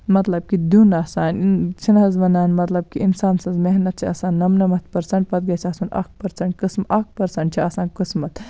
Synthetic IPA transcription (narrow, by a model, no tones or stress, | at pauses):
mɐt̪lɐb̚kid̪unɐsaːnt͡ʃʰinɦɐzʋɐnaːnmɐt̪lɐb̚kiinsaːnsɐ̃nzmeɦnɐt̪̚t͡ʃʰiɐsaːnːɐmnɐmɐt̪̚ʰpɐɾsɐɳʈ̚pɐt̪̚ɡɐt͡ʃʰiɐsanɐ̰k̚ʰpɐɾsɐɳʈ̚kɨsmʔɐk̚ʰpɐɾsɐɳʈ̚t͡ʃʰiɐsaːnkɨsmɐt̪